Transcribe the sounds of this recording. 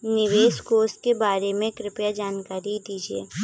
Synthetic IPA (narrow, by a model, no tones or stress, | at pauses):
nɪʋeːskoːst̚kebaːɾemẽkɾɪpjad͡ʒaːnkaːɾid̪iːd͡ʒieː